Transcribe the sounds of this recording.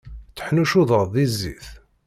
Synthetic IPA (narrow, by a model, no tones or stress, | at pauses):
t͡sːə̥ħnuʃuðˤəðˤðizːḭθ